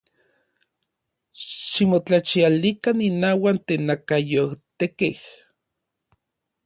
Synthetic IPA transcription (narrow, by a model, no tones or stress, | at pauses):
ʃimot͡ɬat͡ʃialikaninaːwant̪eːnːakajowt̪ekeh